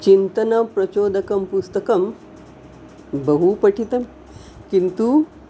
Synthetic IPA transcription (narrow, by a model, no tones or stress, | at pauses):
t͡ɕint̪ɐnɐpɾɐt͡ɕoːd̪ʱɐkɐmpust̪ɐkɐm | bəɦupəʈʰit̪ɐm | kint̪u